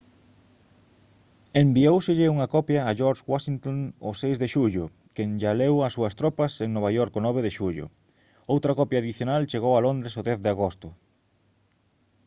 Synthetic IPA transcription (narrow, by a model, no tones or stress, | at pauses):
embiowsɪʎɪuŋɐkɔpjɐːʒɔɾʃwaʃiŋt̪oŋosejzðeʃuʎʊ | keŋʒalewɐsuɐst̪ɾɔpɐseŋnoβajɔɾkonɔβ̞eðeʃuʎʊ̰ | owt̪ɾɐkɔpjaːðiθjonalt͡ʃeɣowalond̪ɾesoðɛθðɪaɣost̪ʊ